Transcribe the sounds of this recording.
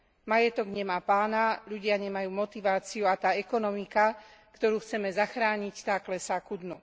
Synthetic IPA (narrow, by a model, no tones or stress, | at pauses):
majɛt̪ɔɡɲɛmaːpaːnaʎuɟɪaɲɛmajuːmɔt̪iʋaːt͡siuat̪aːɛkɔnɔmikakt̪ɔɾuːxt͡sɛmɛzaxɾaːɲict̪aːklɛsaːkud̪nu